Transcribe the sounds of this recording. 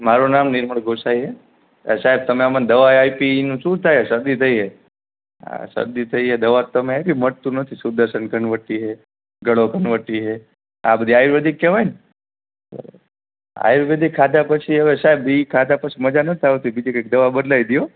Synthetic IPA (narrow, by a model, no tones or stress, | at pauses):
maɾonamnɪɾməɭɡʱosajɦe | saɦɛb̚t̪əmeamãd̪əʋaajpinũʃũt̪ʰajesəɾd̪it̪ʰəiɦe | a̰sə̰ɾd̪it̪ʰəiɦed̪əʋat̪ːəmeabiməɽt̪ũnət̪ʰisuɾd̪əɾʃənkəɳʋəʈːiɦe | ɡəɭokəɳʋəʈːiɦe | a̰bəd̪ʱiajuɾʋəd̪ikːeʋajn̰ | a̰juɾʋed̪ʱikʰːad̪apət͡ʃʰiəʋesaɦɛbikʰad̪apət͡ʃʰiməd͡ʒanət̪ʰaʋet̪ʰibid͡ʒikak̚d̪əʋabəd̪lajd̪ijo